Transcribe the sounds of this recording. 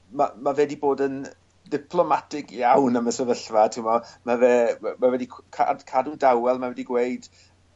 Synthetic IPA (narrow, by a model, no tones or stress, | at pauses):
ma̰mavɛdiboːdən | dɪpʰlˠɔmatʰɪɡjawnaməsɛvəɬvatʰɪmɔmavɛːmavɛdikʰkʰa̰dkʰadundawɛlˠmavɛdiɡwejd̥